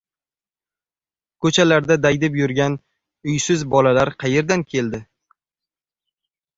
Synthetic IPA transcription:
kʰɵt͡ʃʰalaɾd̪ad̪ajd̪ɪpjʊɾɡʲan | ʊjsɪzbɒlalaɾqʰɑje̞ɾd̪ankʲʰe̞ld̪ɪ

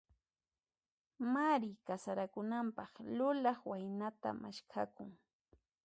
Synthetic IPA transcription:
maɾɪkasaɾakʊnampɑχlʊlɑχwajnat̪a̰ma̰ʃkʰakʊŋ

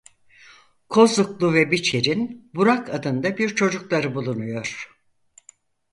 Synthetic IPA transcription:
kʰo̞zuklˠuvɛbit͡ʃʰeɾinbuɾakʰad̪ɯnd̪abiɾt͡ʃʰo̞d͡ʒuklˠaɾɯbulˠunujo̞ɾ̥

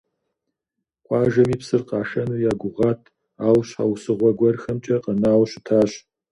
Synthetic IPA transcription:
qʷʼɑːʒɐmiːpsɨrqɑːʃɐnɨjaːɡʷʊʁɑːtʰ | aːwɕħa̰wsɨʁʷɔɡʷɐrxɐmt͡ʃʼɐqənaːwɕɪtʰaːɕ

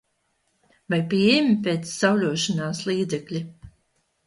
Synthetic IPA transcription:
vajpʲiɛjɛmʲipeːt̪sːawlʲuɔʃinaːslˠiːd̪zɛklʲi

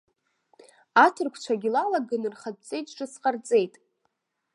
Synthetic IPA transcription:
atʰɨrkʷʰt͡ʃʷʰaɡʲilalaɡɨnɨrχad̚t͡sʼe̞jtʼʈ͡ʂɨsqʼart͡sʼe̞jtʼ

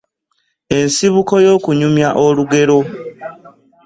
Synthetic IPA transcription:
e̞nsiβuko̞jo̞ːkuɲumjaʔoluɡe̞ɾo̞

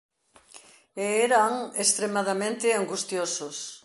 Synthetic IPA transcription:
eeɾaŋest̪ɾemaðamẽnt̪ɪaŋɡust̪josʊs

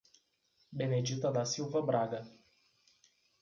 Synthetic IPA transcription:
bened͡ʒit̪əd̪asiwvəbɾaɡə

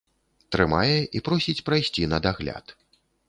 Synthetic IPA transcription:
t̪ɾɨmajɛʔipɾɔsʲit͡sʲpɾajsʲt͡sʲinɐd̪aɣlʲa̰t̪

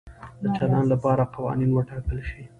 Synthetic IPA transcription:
d̪ət͡ʃalɑnlapɑɾaqawɑ̰ninwəʈɑkəlʃi

